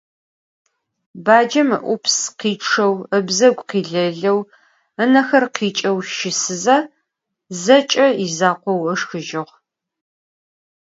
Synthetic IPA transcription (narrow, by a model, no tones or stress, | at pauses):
baːd͡ʒɐmɨ̰ʔʷʊpʰsqiːʈ͡ʂʰɐwəbzɐɡʷqiːɮɐɮɐw | ənɐxɐrqiːt͡ʃʼɐwʃɪsɨzɐ | zɐt͡ʃʼɐizaːqʷɔwəʂxɨʒɪʁ